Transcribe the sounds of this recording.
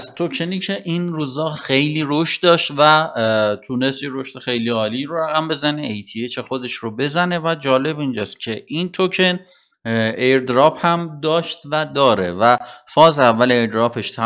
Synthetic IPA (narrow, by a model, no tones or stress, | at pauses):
pst̪ʰocʰeniːcʰe̞ʔinɾuːzɒːxejliːɾoʃt̪̚d̪ɒːʃt̪væt̪ʰuːne̞st̪jeɾoʃt̪exe̞jliːɒːliːɾoɾæɣæmbe̞zæneejt̪ʰiet͡ʃʰexod̪e̞ʃɾobe̞zæne̞væd͡ʒɒːle̞bind͡ʒɒːst̪cʲʰe̞ʔint̪ʰocʰe̞n | eɾd̪ɾɒːphæmd̪ɒːʃt̪væd̪ɒːɾḛvæfɒːzævːæleeɾd̪ɾɒːpʰeʃt̪ʰæ